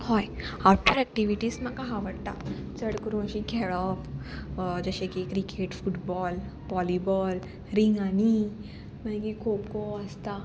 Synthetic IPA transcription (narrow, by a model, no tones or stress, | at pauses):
hɔjaɾpəɾɛk̚ʈiʋiʈismakaɦaʋəɽt̪a̰ | t͡səɽkuɾũəʃikɛɭɔːf | d͡ʒəʃekikɾikʰeʈfuʈbɔːl | ʋɔlibɔːl | ɾiŋɡani | məɡikʰokoəst̪a